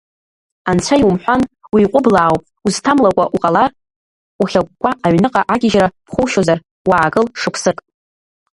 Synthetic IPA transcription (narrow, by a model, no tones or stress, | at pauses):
ant͡ɕʷʰaijwumħʷanwiːqʷʼʊblaːwpʼ | uztʰamlakʷʼaʔuqʼalar | uχʲak̚ʷʼkʷʼːaaɥnɨqʼaʔaɡʲɪʒrapʰχʷowʃozar | waːɡɨlʂɨkʷʰsɨkʼ